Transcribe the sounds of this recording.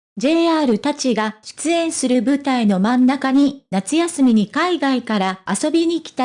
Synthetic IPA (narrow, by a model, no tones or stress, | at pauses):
d͡ʑe̞ːaːɾɯ̟t̪at͡ɕiɡaɕɨ̥t͡sɨẽ̞ɰ̃sɨɾɯ̟bɯ̟t̪aino̞mãnːakaɲ̟inat͡sɨjasɨmʲiɲ̟ikaiɡaikaɾaːso̞bʲiɲ̟ikʲi̥t̪a